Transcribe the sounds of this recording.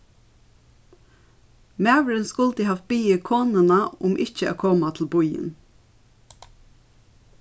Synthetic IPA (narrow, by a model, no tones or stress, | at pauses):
mæːʋəɾɪnskʊlt̪əhɑf̚b̥iːəkʰoːnənaʊmʔɪt͡ʃəæ̰ːkʰoːmat̪ʰɪl̩bʊjɪ̰n